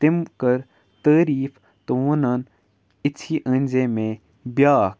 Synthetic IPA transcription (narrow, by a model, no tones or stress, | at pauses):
t̪ɪmkəɾ | t̪əːɾiːf | t̪ounaːn | ɪt͡sʰiːʔə̃nʲd͡ʒẽmẽː | bjaːk